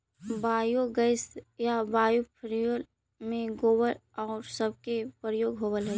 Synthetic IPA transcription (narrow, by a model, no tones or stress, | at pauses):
baːjoɡəɪsjabaːjupʰəɾijol | mẽɡoːwəɾɔːɾsəb̚kepɾəjoːɡɦoːbəlɦɛ